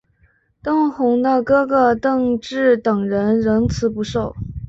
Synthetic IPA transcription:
t̪ɤ˥ŋxʊ˧˥ŋd̪ə˧kɤ˥ɡə˨t̪ɤ˥˧ŋʈ͡ʂɻ̩˥˩t̪ɤ˨˩ŋɻə˧˥nɻə˧˥ŋt͡sʰɹ̩˧˥pu˧˥ʂo˥˩ʊ

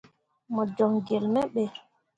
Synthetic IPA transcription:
mɔ˨d͡ʒɔ˨ŋɡe˨lmɛ˦ɓɛ˨

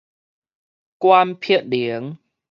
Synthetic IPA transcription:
kwa˧mpʰi˥˩ət̚li˨˩˦ə˦ŋ

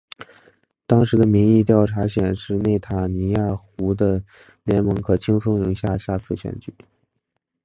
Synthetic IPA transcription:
t̪ɑ˥ŋʂɻ̩˧˥d̪ə˧mi˧˥ŋi˥˧t̪jɑ˥˩ʊʈ͡ʂʰa˧˥ɕjɛ˨˩nʂɻ̩˥˧ne˥˩ɪt̪ʰa˨˩ni˧˥ja˥˩xu˧˥d̪ə˧ | ljɛ˧˥nmɤ˧˥ŋkʰɤ˨˩t͡ɕʰi˥ŋt͡sʰʊ˥ŋɻɤ˧˥ŋɕja˥˧ɕa˥˧t͡sʰɹ̩˥˩ɕɥɛ̰˨˩nt͡ɕy˨˩˦

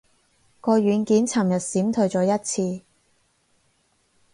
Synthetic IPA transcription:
kɔː˧ɥyː˨˧nkiː˨˥nt͡sʰɐ˨˩mjɐ˨t̚siː˨˥mt̪ʰɵ˨˧ɥt͡sɔː˨˧˥jɐ˥t̚t͡sʰiː˧

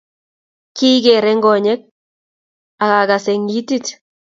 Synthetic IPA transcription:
ki˦ɡe˨ɾɛ˦ŋɡɔ˨ɲɛ˦k̚ | a˨ka˨ka˨sɛ˨ŋɡi˦ti˦t

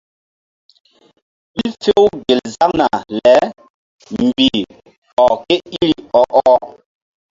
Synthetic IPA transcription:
ɓi˦fe˦wɡe˨lza˦ŋna˨lɛ˨˦ | m˨bi˨ | ɔ˨ke˦i˦ɾi˦ɔ˨ʔɔ˦

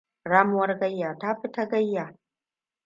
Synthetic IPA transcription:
ɽaː˦mʊ˦wɐ˦rɡɐ˦jːaː˨ta˦ɸɪ˦ta˦ɡɐ˦jːaː˨

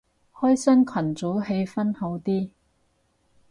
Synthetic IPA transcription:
hɔː˥jsɐː˥nkʰwɐ˨˩nt͡so˨˥wɦe˧jfɐ˥nho˨˥wt̪iː˥

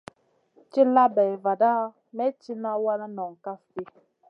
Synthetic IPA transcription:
t͡ʃi˦la˦bɛ˨va˨da˦ | mɛ˦t͡ʃi˦na˦wa˦na˦nɔ˨ŋ˨ka˦fti˦

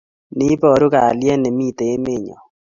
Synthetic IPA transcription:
ni˦pɔ˦˨ɾu˦ka˨ljɛ˦nɛ˨mi˦te˨e˦me˦˨ɲɔ̰˨

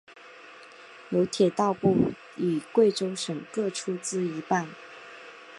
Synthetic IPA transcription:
jo˧˥ʊt̪ʰjɛ˨˩t̪ɑ˥˧ʊpu˥˩ | i˨˩kwe˥˩ɪʈ͡ʂo˥ʊʂɤ˨˩ŋkɤ˥˩ʈ͡ʂʰu˥t͡sɹ̩˥i˧˥pa˥˩n

